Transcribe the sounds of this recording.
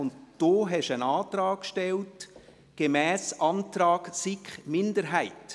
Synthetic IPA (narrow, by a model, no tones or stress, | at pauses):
ʊntd̥oːɦɛʃənɑːt̪ɾɑːkʃtɛlt | ɡ̥emæːsʔɑntɾɑːɡsɪkχmɪndəɾɦæɪt